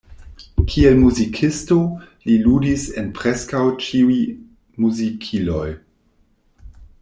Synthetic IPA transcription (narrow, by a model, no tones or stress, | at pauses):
kʰielmuzikʰisto | liludisenpɾeskawt͡ʃiuj | muzikʰilo̞j